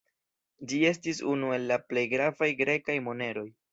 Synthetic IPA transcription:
d͡ʒie̞s̬tisunue̞lːaple̞jɡɾavajɡɾe̞kajmo̞ne̞ɾo̞j

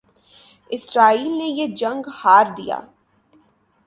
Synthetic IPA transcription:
ɪsɾaːiːlnejed͡ʒɐ̃ŋɡhaːɾd̪ija̰ː

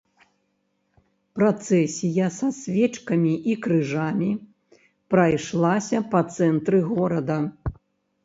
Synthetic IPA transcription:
pɾat̪sɛsʲijɐsasʲvʲɛt͡ʂkɐmʲiʔikɾɨʐamʲi | pɾɐjʂlˠasʲɐpɐt̪sɛnt̪ɾɨɣɔɾɐd̪ɐ

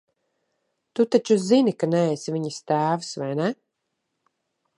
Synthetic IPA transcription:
t̪ut̪at͡ʃuzinikanɛɛsviɲɨst̪æːvɨsvajnɛ

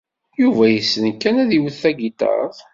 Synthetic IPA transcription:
juvæjəsːənkːænæðiwəθːæɡit̪ɑ̰ˤðˤ

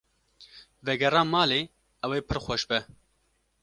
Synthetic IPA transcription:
vɛɡɛɾɑːmɑːleː | ɛweːpʰɨɾxʷɛʃbɛ

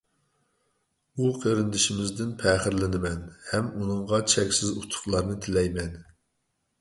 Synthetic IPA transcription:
uqʰəɾɪnd̪ɪʃɪmɪzd̪ɪnpʰɛχɪɾlɪnɪmɛnhɛmunɨŋʁɑt͡ʃʰɛkʲsɪzut̪ʰʊ̥χlˠɑɾnɨt̪ʰɪlɛjmɛn

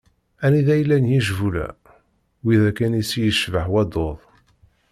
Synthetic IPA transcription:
æniðæjlːænjiʒvulæ̰ | wiðækænisjəʃvəħwæd̪oðˤ

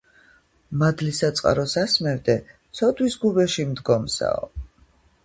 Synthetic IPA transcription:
mad̪lisat̪sʼqʼa̰ɾɔsasmɛvd̪ɛt̪sʰɔd̪ʰwisɡubɛʃimd̪ɡɔmsa̰ɔ

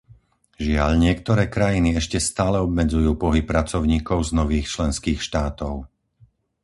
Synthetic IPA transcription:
ʒɪaʎɲɪɛkt̪ɔɾɛːkɾajiniɛʃcɛst̪aːlɛɔb̚mɛd͡zujuːpɔɦipːɾat͡sɔʊɲiːkɔʊznɔʋiːxt͡ʃlɛnskiːxʃt̪aːt̪ɔʊ

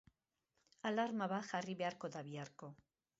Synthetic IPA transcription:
alaɾmaβaʝariβe̞aɾko̞ðaβiaɾko̞

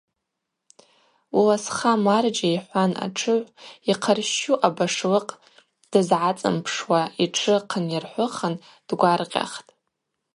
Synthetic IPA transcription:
wilasχamard͡ʒaiħʷana̰ʈ͡ʂʰɨʕʷiqʰarʃuʔabaʂlɨqʼ | d̥ɨzʕat͡sʼɨ̰mpʰʂwaiʈ͡ʂʰɨqʰənjarħʷʊχən | d̥ɡʷarqʲʼa̰χtʼ

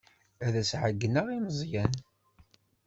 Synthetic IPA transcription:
æðæsʕəɡːnəʁiməzˤjæn

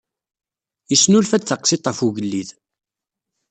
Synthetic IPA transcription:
jəsnulfæθəqsit̪ˤːəfuʝəlːið

